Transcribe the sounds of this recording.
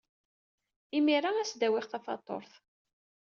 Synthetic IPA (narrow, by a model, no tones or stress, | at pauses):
imiɾaæsd̪æwɪχθɑfɑ̰t̪ˤːo̰ɾθ